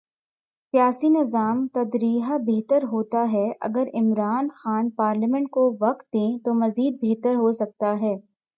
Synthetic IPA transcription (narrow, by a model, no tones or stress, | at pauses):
sijaːsinɪzaːmt̪ɐd̪ɾiːɦabeɦt̪əɾɦoːt̪aɦɛʔɐ̰ɡəɾɪmɾaːnxaːnpaːɾlimɛ̃ɳʈ̚koʋɐqt̪̚d̪ẽt̪omɐziːd̪̚beɦt̪əɾɦosɐk̚t̪aɦɛː